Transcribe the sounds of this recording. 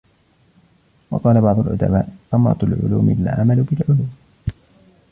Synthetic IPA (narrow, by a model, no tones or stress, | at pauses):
wɑ̰qɑːlabɑʕd̪ˤʊlʔʊ̰d̪a̰baːʔʔamɾˤɑ̰t̪lʕʊ̰lṵːmɪɪla̰ːʔamaluːbɪlʕʊluːm